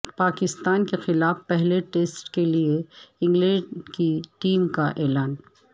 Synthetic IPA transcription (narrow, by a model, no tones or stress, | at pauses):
paːkɪst̪aːnkexɪlaːfpɛɦleʈeːsʈkelieɪ̃ŋɡlɛ̃ɖkiʈiːmkaʔɛːlaːn